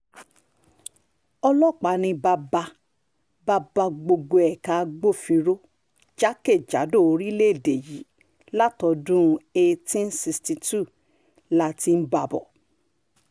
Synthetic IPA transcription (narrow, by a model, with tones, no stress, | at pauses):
ɔ˧lɔ˦˨k͡pa˨˦nĩ˧ba˧ba˧ | ba˧ba˧ɡ͡bo˧ɡ͡bo˧ɛ˨ka˨˦˧ɡ͡bo˦˨fĩ˧ɾo˦ | d͡ʒa˦ke˦˨d͡ʒa̰˨˦do˦˨o˧ɾi˦le˦e˦˨de˨ji˨˦ | la˦tɔ˧dũ˦˧e˧tĩ˦n̩˦si˧sti˧tu˦˨ | la˦ti˧n̩˦ba˨bɔ̰˨